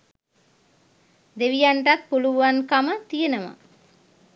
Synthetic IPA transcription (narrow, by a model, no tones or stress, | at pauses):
d̪eʋijaɳʈak̪̚puluʋaŋkamət̪ijenəʋa̰